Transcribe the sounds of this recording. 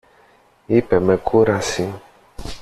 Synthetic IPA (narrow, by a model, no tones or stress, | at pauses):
ipɛmɛkʰuɾasi